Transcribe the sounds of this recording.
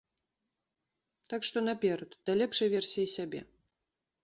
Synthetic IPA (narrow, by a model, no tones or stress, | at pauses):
t̪akʂt̪ɔnapʲɛɾɐt̪d̪̥alʲɛpʂɐjvʲɛrsʲijisʲabʲɛ̰